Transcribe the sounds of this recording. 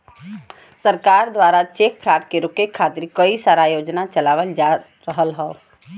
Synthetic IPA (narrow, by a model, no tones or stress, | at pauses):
səɾkaːɾd̪waːɾat͡ʃeːk̚pʰɾaːʈkeɾʊkekʰːaːt̪ɾikəisaːɾajoːd͡ʒnat͡ʃəlaːʋəld͡ʒa | ɾəɦəlɦɛo